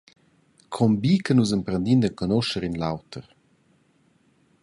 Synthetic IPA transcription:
kʰɔmbikənuzəmpɾənd̪ind̪əkonoʃəɾinlawtʰəɾ

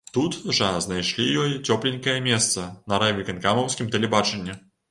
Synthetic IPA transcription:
t̪ut̪ʐɐznajʂlʲijɔjt͡sʲɔplʲenʲkɐjɐmʲɛst̪sɐnɐɾavʲikɐnkamɐwsʲkʲimt̪ɛlʲɛbat͡ʂɛnʲːɛ

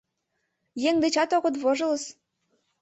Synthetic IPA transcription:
jeŋd̪et͡ɕɑt̪oɣɤ̆t̪βoʒɤ̆lɤ̆s

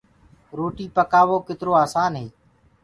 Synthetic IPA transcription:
ɾoːʈiːpəkaːʋoːkɪt̪ɪɾoːaːsaːnɦeː

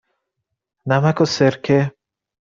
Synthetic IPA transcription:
namakoseɾkʰe

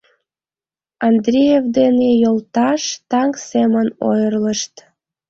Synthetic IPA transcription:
ɑnd̪rʲejevd̪enejolt̪ɑʃt̪ɑŋkseməno̰jərləʃt̪

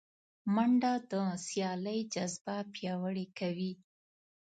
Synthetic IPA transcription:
maɳɖad̪əsjɑləjd͡ʒazbapjɑwəɽekawi

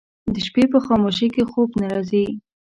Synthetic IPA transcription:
d̪əʃpepəxɑmoʃikexobnaɾɑzi

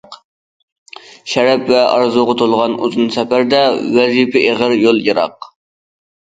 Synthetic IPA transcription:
q | ʃɛɾɛpvɛɑ̰ɾzoʁɑt̪ʰolˠʁɑnṵzunsɛpæɾd̪ɛwɛzipɛʔeʁəɾjolˠjɨɾɑ̰q

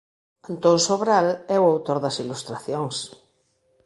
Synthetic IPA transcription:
ant̪õnsoβɾalɛwawt̪oɾðɐsilust̪ɾaθjoŋs

